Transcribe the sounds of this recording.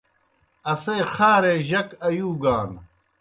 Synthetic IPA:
ɐseːxaːɾeːʑɐkɐjuːɡaːn

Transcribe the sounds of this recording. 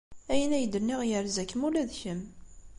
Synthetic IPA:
æjənæjəd̪ənːiʁjəɾzækːəmulæðçəm

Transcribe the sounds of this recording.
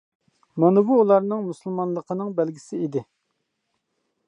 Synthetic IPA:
mɑnɨbuːlˠɑɾnɨŋmusɨlˠmɑnlˠəqʰənɨŋbælɡʲisɪid̪ɪ

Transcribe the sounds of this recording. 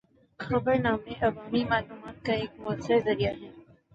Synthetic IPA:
xɐbəɾnaːmẽʔɐʋaːmimaːluːmaːt̪̚kaeːk̚mʊəsaɾzɐɾijaɦɛː

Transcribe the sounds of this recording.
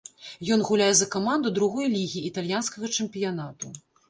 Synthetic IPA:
jɔnɣulʲajɛzɐkamand̪ud̪ɾuɣɔjlʲiɣʲiːt̪alʲjanskɐɣɐt͡ʂɛmpʲijanat̪u

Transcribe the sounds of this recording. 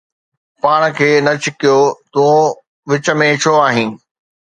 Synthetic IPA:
paːɽ̃kʰeːnɐt͡ɕɪkijot̪ũ | ʋɪt͡ɕə̆mẽt͡ɕʰoaːɦĩː

